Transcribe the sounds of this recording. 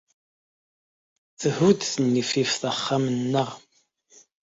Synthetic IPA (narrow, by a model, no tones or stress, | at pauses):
θəhud̪θənːififθəχːamənːəʁ